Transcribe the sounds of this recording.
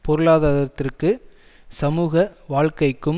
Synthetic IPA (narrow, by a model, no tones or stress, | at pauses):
pɔɾɯɭaːðɐðɐt̪ːɪrkɯ | sɐmuːɣɐʋaːɻkɐɪkːɯm